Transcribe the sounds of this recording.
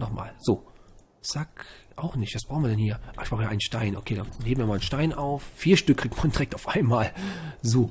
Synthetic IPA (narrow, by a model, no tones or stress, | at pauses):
nɔχma̰ːlz̥oː | z̥akʔaʊxnɪçtv̥asb̥ʁaʊnviːɐdɛnhiːɐʔaɪçb̥ʁaʊhːɐʔaɪnənʃtaɪnʔokʰeːdanheːbm̩viːɐmaːlənʃtaɪnʔaʊffiːɐʃtʏkʁ̥iːktmand̥iʁɛk̚taʊfʔaɪnmaːlzoː